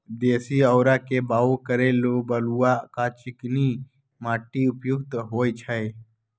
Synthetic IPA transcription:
d̪eːsiəwɾakebaːokəɾeːlobəluakat͡ʃɪkni | maːʈiʊpjʊkt̪ɦoːjt͡ʃʰəj

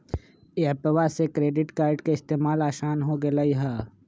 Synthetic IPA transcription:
eɐpəʋasekɾeːɖɪʈkaːɾɖkeɪst̪eːmaːlaːʃaːnɦoɡelaiɦaː

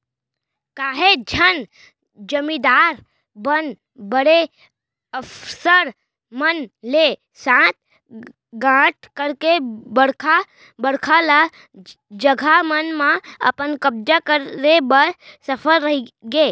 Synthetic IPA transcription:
kaːɦed͡ʒʱən | d͡ʒəmĩd̪aːɾ | bən | bəɽe | əpsəɾ | mənle | sãːt̪̚ | ɡãːʈʰkəɾkebəɽkʰa | bəɽkʰala | d͡ʒəɡʱamənmãə̰pənkəb̚d͡ʒakəɾːebəɾsəpʰəɾːəɦiɡeː

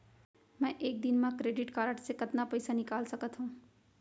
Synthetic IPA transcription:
mɛ̃ʔeːk̚d̪ɪnmãkɾeːɖɪʈkaːɾəʈsekɐt̪napɐjsanɪkaːlsəkət̪ɦũː

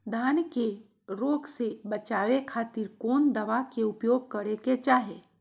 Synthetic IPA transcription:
d̪ʱaːnke | ɾoːɡsebət͡ʃaːʋekʰaːt̪iɾkoːnd̪əʋakeupjoːɡ̚kəɾeket͡ʃaːɦe

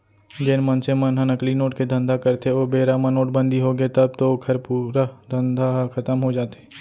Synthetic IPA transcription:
d͡ʒɪnmɐnsemɐnɦənɐklinoːʈked̪ʱɐ̃nd̪ʱakɐɾt̪eoːbeːɾamə̃noːʈ̚bə̃nd̪ʱiɦoɡet̪ɐb̚t̪okʰɐɾpuːɾad̪ʱɐ̃nd̪ʱakʰɐt̪əmɦod͡ʒaːt̪e̥

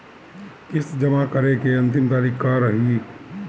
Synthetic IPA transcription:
kɪsd͡ʒɐmakəɾekeɐ̃nt̪̬ɪmt̪aːɾikkaɾəɦiː

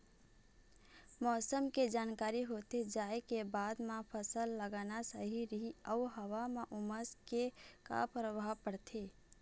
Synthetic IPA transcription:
mɔːsəmked͡ʒaːnkaɾiɦot̪ed͡ʒaːekebad̪mãpʰəsəlːəɡanasəɦiɾəɦiəuɦəʋameʔuməskeka̰pɾəʋapəɽt̪ʰe

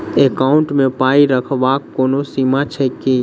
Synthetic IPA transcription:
eːkaːʊɳʈmẽpaːiɾəkʰʋaːkːoːnosiːmat͡ʃʰɛkːeː

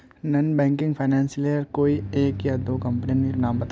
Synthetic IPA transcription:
nɐnbɛ̃ːŋkɪ̃ŋɡpʰaɪnɛ̃ːnsleəɾkoːieːkjad̪oːkɐ̃mpənininaːmbɐt̪

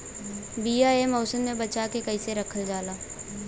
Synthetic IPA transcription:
biːjaemɔːsəmːẽbɐt͡ʃakekɐiseɾɐkʰəld͡ʒaːlaː

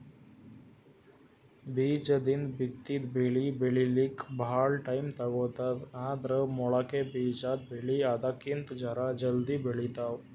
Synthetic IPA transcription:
bid͡ʒəd̪ind̪bit̪ːit̪beɭibeɭilikbʱaɭʈajmt̪aɡɔt̪at̪ãd̪ɾəmɔɭakebid͡ʒat̪̚bʱeɭiad̪akint̪d͡ʒaɾad͡ʑəld̪ibʱeɭit̪aw

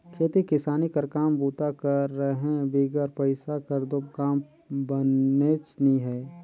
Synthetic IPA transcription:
kʰeːt̪ikɪsaːnikəɾkaːmbuːt̪akəɾːəɦɛ̃biːɡəɾpəɪsakəɾd̪okaːm | bənet͡ʃnĩɦɛː

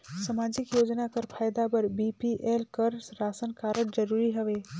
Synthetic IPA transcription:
səmaːd͡ʒɪkjoːd͡ʒnakəɾpʰaːjd̪abəɾbipiʔelkəɾsɾaːsənkaːɾəɽd͡ʒɐɾuːɾiɦɐʋeː

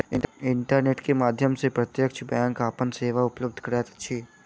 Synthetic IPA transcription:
ɪɪɳʈəɾneːʈkemaːd̪ʱjəmsepɾɐt̪jəkt͡ʃbjɛ̃ːŋkaːpənseːʋaʊpləb̚d̪ʱkɐɾɛt̪ɐ̥tːʃʰiː

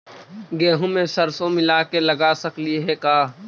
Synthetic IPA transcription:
ɡɛːɦõmẽsɐɾsõmɪlaːkelɐɡaːsɐkliɦɛkaː

